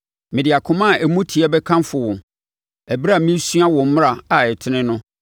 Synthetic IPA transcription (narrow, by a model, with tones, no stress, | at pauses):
mɪ̃˨dɪ˨a˨kʰʊ̃˦mã˦˨æ˨mũ˦tʰi˨ɛ˦bɛ˦kʰã˦mfʊ˨wʊ̃˨ | æ˨bɾa˨mĩ˦su˦a˦wɔ̃˨m̩˦m˦ɾa˨a˨ɛ˨tʰɪ˨nɪ̃˦nʊ̃˦